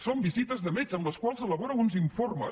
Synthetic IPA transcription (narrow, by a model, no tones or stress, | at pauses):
sombizit̪əzðəmɛzəmləskwalˠzələβoɾəwunziɱformə̰